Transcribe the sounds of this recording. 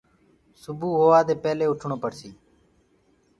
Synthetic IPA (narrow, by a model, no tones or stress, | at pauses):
sʊbuːɦoːʋaːd̪eːpɛːleːʊʈʰɳoːpəɽsiː